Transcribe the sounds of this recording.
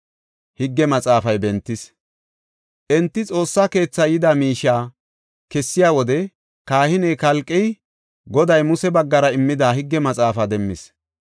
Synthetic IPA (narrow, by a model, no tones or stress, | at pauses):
hɪɡːɛmɐt͡sʼaːfɐjbɛnt̪ːɪs | ʔɛnt̪ːɪt͡sʼo̞ːsːaːke̞ːt͡sːɐjɪd̪amiːʃːaː | kɛsːɪjaːwɔd̪ɛ | kaːhɪnɛjkɐlkʼːɛj | ɡɔd̪ɐjmʊsɛbɐɡːɐɾɐɪmːɪd̪aːhɪɡːɛmɐt͡sʼaːfɐd̪ɛmːɪs